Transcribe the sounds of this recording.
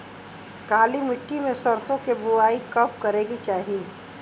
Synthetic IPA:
kaːlimɪʈːimẽsɐɾsõkebʊaːikɐp̚kɐɾeːɡit͡ʃaːɦie

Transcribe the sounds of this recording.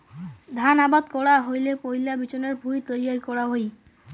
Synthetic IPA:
d̪ʱanabad̪kɔɽaɦojlepojlabit͡ɕoneɾbʱujt̪ojaɾkɔɽaɦoj

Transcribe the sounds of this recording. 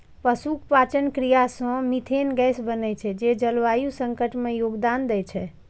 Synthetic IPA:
pəsukpat͡ʃənkɾijasə̃mit̪ʰenɡɛsbənɛt͡ʃʰɛd͡ʒed͡ʒəlʋajusəŋkəʈmejoɡd̪and̪ɛt͡ʃʰɛ

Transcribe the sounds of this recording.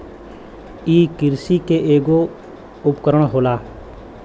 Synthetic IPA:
iːkɪɾsikeʔeːɡo | ʊpkəɾəɽ̃ɦoːlaː

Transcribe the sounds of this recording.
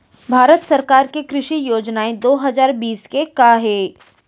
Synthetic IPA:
bʱaːɾət̪sɐɾkaːɾkekɾɪʃijoːd͡ʒnaẽd̪oːɦɐzaːɾbiːskekaɦeː

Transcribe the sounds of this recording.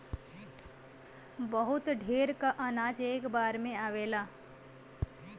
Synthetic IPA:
bəɦut̪ɖʱeːɾkaʔənaːd͡ʒeːkbaːɾmẽaːʋela

